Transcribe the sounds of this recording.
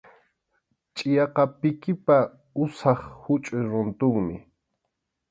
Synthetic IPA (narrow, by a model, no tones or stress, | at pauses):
t͡ʃʼɪjɑqɑpɪkɪpa | ʊsɑχhʊt͡ʃʼʊjɾʊnt̪ʊŋmɪ